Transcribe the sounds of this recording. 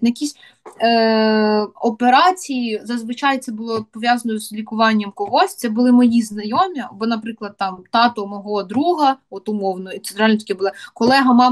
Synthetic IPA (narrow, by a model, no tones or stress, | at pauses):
jɐkʲisʲ | ɔpeɾɑt͡sʲijizɐzʋɪt͡ʃɑjt̪sɛbʊlˠɔpɔʋʲjazɐnɔjzlʲikʊʋɑnʲːɐmkɔɦɔsʲt̪ɛbʊlˠɪmɔjiznɐjɔmʲɐɐbɔnɐpɾɪklˠɐd̪̚t̪ɑmt̪ɑt̪ʊmɔɦɔɔd̪ɾuɦɐɔt̪ʊmɔwnɔit̪sɛnt̪ɾɑlʲnɔt̪ʲɐkʲɛbʊlˠɪkɔlˠɛɦɐmɑm